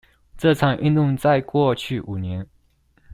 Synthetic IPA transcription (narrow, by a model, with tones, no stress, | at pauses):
ʈ͡ʂɤ˥˩ʈ͡ʂʰɑ˨˩ŋʔḭ˥˧nt̪ʊ˥˧ŋt͡sa˥˧ɪkwɔ˥˧t͡ɕʰy˥˩ʔu˨˩njɛ˧˦˥n